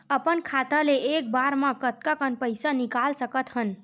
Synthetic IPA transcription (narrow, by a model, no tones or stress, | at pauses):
əpənkʰat̪aleek̚baɾmãkət̪̚kakənpəjsanikalsəkət̪ɦən